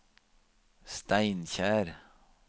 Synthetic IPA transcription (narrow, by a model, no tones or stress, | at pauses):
st̪æɪnçæːɾ